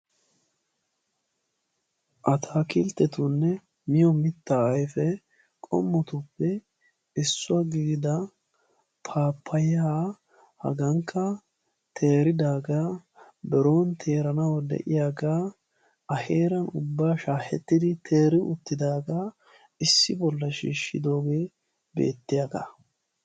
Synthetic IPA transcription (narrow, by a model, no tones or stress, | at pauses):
ʔɐt̪ʰaːkɪlt̪ːɛt̪unːɛ | mɪjɔmɪt̪ːaːɐjfɛ | kʼɔ̰mːɔt̪ʊpːɛ | ɪsːʊɐɡiːɡɪd̪ɐ | pʰaːpʰːɐjaː | hɐ̰ɡɐŋkʰːɐ | t̪ʰe̞ːɾɪd̪aːɡaː | bɛɾo̞ːnt̪ʰe̞ːɾɐnɐwɐd̪ɛ̰ʔɪjaːɡaː | ɐhe̞ːɾɐnʊbːaːʃaːhɛ̰t̪ːɪd̪ɪt̪ʰe̞ːɾɪʔʊt̪ːɪd̪aːɡaː | ɪsːɪbɔlːɐʃḭːʃːɪ̰d̪o̞ːɡe̞ː | bḛːt̪ːɪjaɡa̰